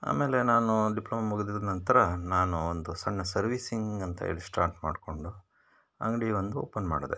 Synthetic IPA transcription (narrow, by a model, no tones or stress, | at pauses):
a̰ːme̞ːle̞naːnuɖiplɐːmɐmuɡud̪id̪ɐnɐnt̪ɐɾɐnaːnuond̪usɐɳːɐsɐɾʋisiŋɡɐnt̪ɐ̰ḛlisʈaːɾʈma̰ːɖko̞ɳɖu | ɐ̰ŋɡɐɽiʋond̪uoːpɐnma̰ːɽod̪e